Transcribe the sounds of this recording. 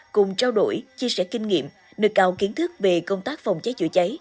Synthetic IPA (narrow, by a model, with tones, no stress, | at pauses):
kʊ˨˩ŋ͡mt͡ɕaː˧wɗo̰˧˩jt͡ɕi˧əsɛ̰˧˥kï˧ŋ̟ŋḭ˧˨əm | nɨ̰˨˩k̚ɗaː˨˩wki˨˦ənt̪ʰɨ˦˥k̚ve˨˩kə˧wŋ͡mt̪aː˦˥k̚fə˨˩wŋ͡mt͡ɕaə˨˦jt͡ɕṵ˧˩ət͡ɕə˨˦j